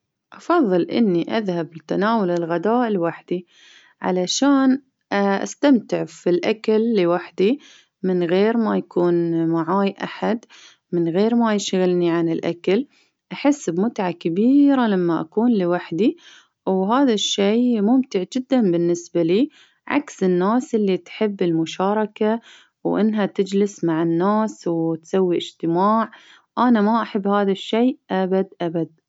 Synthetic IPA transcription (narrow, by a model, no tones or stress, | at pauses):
ʔɑfɑðˤːɨlʔɪ̰nːiʔaðhablt̪anaːwʊlɪlɣad̪aːʔlwaħd̪i | ʕa̰laʃaːn | ʔa̰st̪amt̪ɪʕfilʔakalːiwaħd̪i | mɪnɣeːɾmajakuːnmaʕaːjʔa̰ħad̪ | mɪnɣeːɾmajɪʃɣɪlniʕanɪlʔa̰kal | ʔaħɪsːbmʊt̪ʕakabiːɾalamːaʔa̰kuːnlɪwaħd̪i | wɦaːðaʃːeːmʊmt̪ɪʕd͡ʒɪd̪ːanbɪnːɪsbaliː | ʕa̰ksɪnːaːsʔɪlːit̪ħɪbːɪlmʊʃɑːɾˤɑka | wʔɪ̰nːɦat̪ɪd͡ʒlɪsmaʕɪnːaːswt̪sawːiʔɪd͡ʒt̪ɪmaːʕ | ʔanamaʔaħɪbːhaːðaʃːeːʔabad̪ʔabad̪̚